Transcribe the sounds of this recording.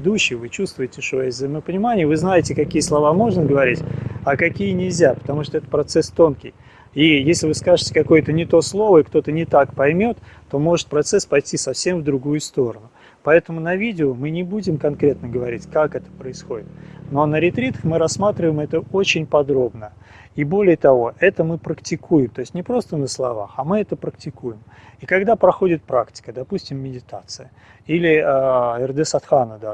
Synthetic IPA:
d̪uɕːɪjvɨt͡ɕust̪vʊjɪtʲɪʂojəvzəɪməpənʲɪmanʲɪjəvɨznajɪtʲɪkɐkʲijəslˠɐvamo̞ʐnəɡəvɐɾʲitʲɐkɐkʲijənʲɪlʲzʲapə̥t̪ɐmuʂt̪oɛt̪ə̥pɾɐt̪sɛst̪o̞nkʲɪ̰j | ijesʲlʲɪvɨskaʐɨtʲɪ̥kɐko̞jət̪ənʲɪt̪o̞slˠo̞vəɪkt̪o̞t̪ənʲɪt̪akpɐjmʲo̞t̪ːo̞mo̞ʐɨt̪̚pɾɐt̪sɛspɐjtʲisɐfsʲe̞mvd̪ɾʊɡujʊst̪o̞ɾənʊ | pɐɛt̪əmʊnɐvʲidʲɪʊmɨnʲɪbudʲɪmkɐnkɾʲe̞t̪nəɡəvɐɾʲitʲkakɛt̪ə̥pɾəɪsxo̞dʲɪt̪no̞nəɾʲɪt̪ɾʲit̪əxmɨɾɐsmat̪ɾʲɪvəjɪmɛt̪əot͡ɕɪnʲpɐd̪ɾo̞bnə | ibo̞lʲɪjət̪ɐvo̞ʔɛt̪əmɨpɾəktʲɪkʰujɪmt̪o̞ɪsʲtʲnʲɪpɾo̞st̪ənəslˠɐva̰xɐmɨɛt̪əpɾək̚tʲɪkujɪmikɐɡd̪apɾɐxo̞dʲɪt̪̚pɾaktʲɪ̥kəd̪ɐpusʲtʲɪmːʲɪdʲɪt̪at̪sɨjə | ilʲɪaɛrd̪ɛsɐt̪xanəd̪a

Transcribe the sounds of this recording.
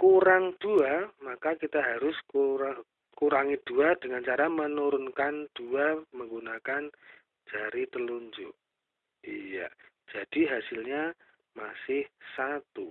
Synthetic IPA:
kuɾaŋd̥uamakakit̪aɦaɾʊskuɾa | kuɾaŋid̥uad̥əŋant͡ʃaɾamənuɾʊnkand̥uaməŋɡunakan | d͡ʒ̥aɾit̪əluɲd͡ʒʊʔ | ija̰̥ | d͡ʒ̥ad̥iɦasɪlɲa | masɪhsat̪u

